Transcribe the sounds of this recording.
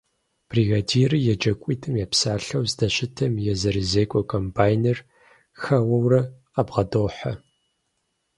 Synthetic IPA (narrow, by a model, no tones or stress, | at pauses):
b̥riɣadiːrɨjɛd͡ʒɐkʷʼiːtʰɨmjɛpsaːɬɐwzdɐɕɪtʰɐmjɛzɐɾizeːkʷʼɔkʰʼompʰaːjner | xɐwɐwrɐ | abʁɐdoːħɐ